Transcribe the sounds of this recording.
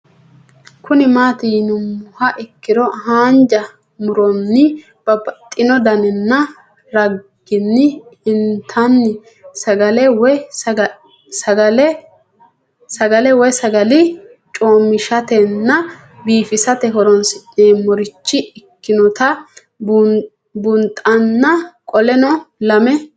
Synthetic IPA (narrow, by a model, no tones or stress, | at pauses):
kʰʊnɪmaːt̪iːnʊmːʊhɐʔɪkːɪd̪ɔhaːnd͡ʒɐ | mʊɾɔnːɪ | b̥ɐbɐt̪ʼːɪnɔd̪ɐnɛnːɐ | ɾɐɡɡːɪnːɪɪnt̪ʰɐnːɪ | sɐɡɐlɛwɔ | sɐɡɐlɛ | sɐɡɐlɛwɔjsɐɡɐlɪ | t͡ʃʼo̞ːmɪʃɐt̪ɛnːɐ | biːfɪsɐt̪ɛɦɔɾɔnsɪʔeːmɔɾɪt͡ʃːɪɪkːɪnɔt̪ɐ | b | bʊnt̪ʼɐnːɐkʼɔlɛnɔlɐmɛ